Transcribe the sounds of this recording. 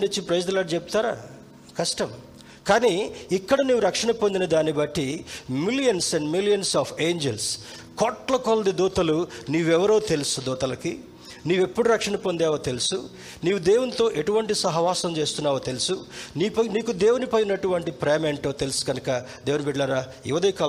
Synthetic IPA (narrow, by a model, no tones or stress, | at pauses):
nit͡ʃːipɾɐjd͡ʒd̪ɐlaːʈt͡ʃep̚t̪aːɾa̰ː | kɐsʈɐm | kaːniːikːɐɽɐniːʋuɾɐkʂɐnɐpond̪inɐd̪aːnibɐʈːimiljɐnsɐɳɖmilijɐnsaːpʰeːɲd͡ʒels | kɔʈlɐkold̪id̪uːt̪ɐluniːʋɛʋɐɾo̞ːt̪elusud̪uːt̪ɐlɐki | niːʋe̞pːuɽuɾɐkʂɐɳɐpond̪eːʋɐt̪elusu | niːʋud̪eːwunt̪o̞ːʔe̞ʈuʋɐɳʈisɐɦɐʋaːsɐmt͡ʃe̞ːst̪unːaːʋɐt̪elusuniːpɐniːkud̪eːwunipɐjinɐʈuʋɐɳʈipɾeːmeɳʈoːt̪e̞lusu̥ɡɐnukɐ | d̪e̞ːʋunibiɖlaːɾaː | ɛ̰ʋɐd̪ɐkɐ